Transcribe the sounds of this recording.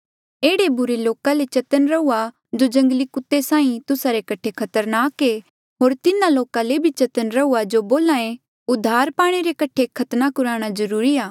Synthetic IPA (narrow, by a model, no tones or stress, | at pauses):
eːɽebʊɾeloːkalet͡ʃɐt̪ənɾɐua | d͡ʒod͡ʒɐ̃ŋɡəlikʊt̪ːesãːĩt̪ʊsaɾekɐʈʰekʰɐt̪əɾnaːke | ɦoːɾt̪ɪnãloːkãlebʱit͡ʃɐt̪ənɾɐuad͡ʒoboːlaːẽ | ʊd̪ʱːaːɾpaːɽ̃eɾekɐʈʰekʰɐt̪nakʊɾaːɽ̃azɐɾuːɾiaː